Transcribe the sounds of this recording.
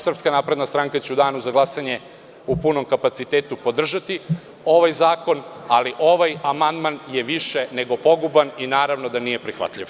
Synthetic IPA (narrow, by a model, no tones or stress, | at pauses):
sr̩pskanaːpɾe̞d̪nast̪ɾaŋkat͡ɕɛud̪aːnuzaɡlasaɲe | upuno̞mkapat̪sit̪eːt̪upo̞d̪r̩ʒat̪i | o̞ʋajzaːko̞naliʔo̞ʋajamand̪manjeʋiʃene̞ɡo̞po̞ɡubaninaːɾaʋno̞d̪anijepɾixʋa̰t̪ʎiʋ